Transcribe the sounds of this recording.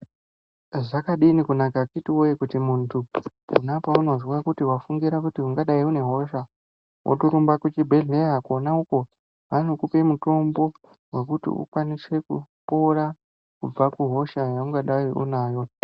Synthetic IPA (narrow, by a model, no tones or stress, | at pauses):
ʐakaɗinikunakakitiwojekutimuntʰuunapauno̞zwakutiwafuŋɡiɾakutiuŋɡaɗaiune̞ɦo̞ʃa | wʔo̰toɾumbakut͡ʃibʱe̞ɮe̞akonauko̞ | ʋan̤ukupe̞muto̞mbo̞ | we̞kutḭṵkwanise̞kṵpo̞ɾa | kub͡vakuɦo̞ʃajauŋɡaɗaiʔṵnaːjo̞